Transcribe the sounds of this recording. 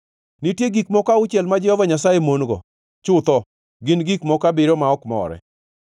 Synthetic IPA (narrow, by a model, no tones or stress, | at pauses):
nitjeɡikmɔkaʊt͡ʃɛlmad͡ʒɛɔvaɲasajemonɡɔ̰ | t͡ʃʊt̪ɔ | ɡɪnɡikmɔkabɪɾɔmaɔkmɔ̰ɾɛ̰